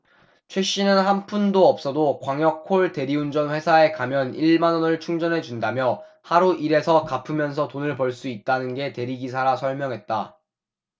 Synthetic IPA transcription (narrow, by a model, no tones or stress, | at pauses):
t͡ɕʰwe̞ɕ͈inɯnhanpʰundoʌp̚s͈ʌdokwaŋjʌkʰoɭte̞ɾiund͡ʑʌnɸwe̞sʰae̞kamjʌniɭmanʌnɯɭt͡ɕʰuŋd͡ʑʌnɦe̞d͡ʑundamjʌ | haɾuʔiɾe̞sʰʌkapʰɯmjʌnsʰʌtonɯɭpʌɭs͈uit̚t͈anɯnɡe̞te̞ɾiɡis̬ʰaɾasʰʌɭmjʌŋɦe̞t̚t͈a